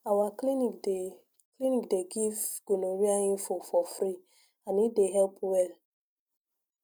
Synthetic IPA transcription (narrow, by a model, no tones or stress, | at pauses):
awaline | klinikdeɡivɡ̥onoɾiaɲɪfofɔfɾi | anideɦɛlpwɛl